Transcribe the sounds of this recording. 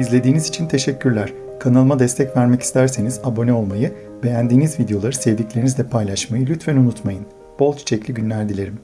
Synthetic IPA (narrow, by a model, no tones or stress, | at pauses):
izlʲe̞d̪iːnizit͡ʃʰint̪ʰe̞ʃɛcːyɾlʲæɾ̥ | kʰanalˠɯmad̪ɛst̪ʰɛcvæɾmɛci̥st̪ʰæɾse̞nizabo̞nɛo̞lˠmajɯ | be̞jænd̪iːnizvid̪ejo̞lˠaɾɯsɛvd̪iclʲe̞ɾinizd̪ʲɛpʰajlˠaʃmajɯlʲyt̪fænunut̪majɯn | b̥o̞lˠt͡ʃʰt͡ʃʰɛclʲiɟynlʲæɾd̪ilʲe̞ɾim